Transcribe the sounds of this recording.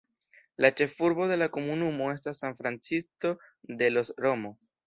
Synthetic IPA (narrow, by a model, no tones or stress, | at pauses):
lat͡ʃe̞fuɾbo̞de̞lako̞munumo̞e̞stasːanfɾant͡sisto̞ | d̪e̞lo̞sɾo̞mo̞